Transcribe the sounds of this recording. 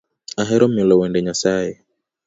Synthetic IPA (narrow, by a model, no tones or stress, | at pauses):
aɦɛɾɔmjɔlɔwɛndɛɲasajɛ